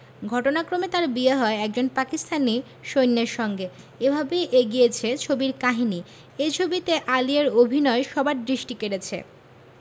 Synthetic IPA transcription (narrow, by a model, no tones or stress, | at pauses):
ɡʱɔʈonakɾomet̪aɾbiaɦɔeɛk̚d͡ʑonpakist̪ʰani | ʃojnːeɾʃɔŋɡe | ebʱabeʔeɡijet͡ɕʰet͡ɕʰobiɾkaɦini | ejt͡ɕʰobit̪eʔalieɾobʱinɔeʃɔbaɾd̪ɾiʃʈikeɾet͡ɕʰḛ